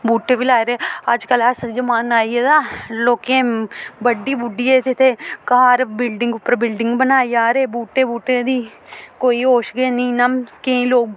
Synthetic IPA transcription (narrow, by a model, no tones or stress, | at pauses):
buːʈeːʋilaːeɾeːəd͡ʒkəlasd͡ʒəmaːnaːieːd̪aːloːkẽːbəɖːiːbʊɖiet̪ɪt̪ʰeːkaaːɾbɪlɖɪ̃ŋɡʊpːəɾbɪlɖɪ̃ŋɡbənaːijaːɾeːbuːʈeːbuːʈeːd̪iːkoːiːɦoːʃɡeːnĩːnəmkeĩːloːɡ